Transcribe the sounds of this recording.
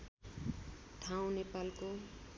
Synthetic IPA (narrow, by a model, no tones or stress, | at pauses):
ʈʰaw̃nepalko